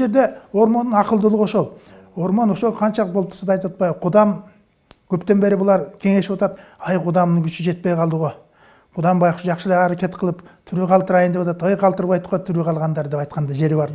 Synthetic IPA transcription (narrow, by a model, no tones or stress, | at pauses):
ʒe̞ɾd̪e̞wo̞ɾmonːənɑqəlˠd̪əlˠəʁoʃolˠwo̞ɾmɑnwoʃoqʰɑnʃɑbolˠp̚t̪ə̥ɾsd̪ɑjt̪ɑt̪̚bɑjqʰʊd̪ɑm | kʲʰɵpt̪e̞nbe̞ɾɪbʊlˠɑɾkʲʰe̞ŋe̞ʃwot̪ɑt̪ɑjqʰʊd̪ɑmnəŋkʲʰʏʃɪʒe̞t̪̚pejqʰɑlˠd̪əʁoj | qʰʊd̪ɑmbɑjqʃʒɑqʃəleɑɾakʲe̞t̪̚qʰəlˠəpt̪ʰʏɾeqʰɑlt̪əɾɑjnd̪e̞pwɑt̪ɑt̪əjqʰɑlˠt̪əɾbɑjt̪ʁojt̪ʰʏɾeqʰɑlˠʁɑnd̪ɑɾd̪e̞pɑjt̪qɑnd̪ɑʒe̞ɾebɑɾ